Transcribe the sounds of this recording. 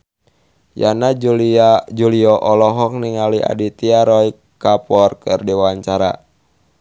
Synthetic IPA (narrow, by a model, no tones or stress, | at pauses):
jana | d͡ʒuliɔʔɔlɔɦɔk̚niŋalia̰dit̪iaɾɔj | kapɔrkɨrdiwaɲt͡ʃaɾa̰